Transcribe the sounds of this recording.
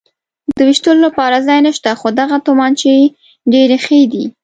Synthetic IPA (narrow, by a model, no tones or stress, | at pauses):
d̪əwiʃt̪əlolapɑɾazɑjnəʃt̪axod̪aɣat̪omɑnt͡ʃe | ɖeɾexed̪i